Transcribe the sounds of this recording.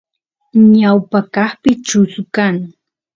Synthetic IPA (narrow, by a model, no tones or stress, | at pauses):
ɲawpakɑχpɪt͡ʃʊskaŋ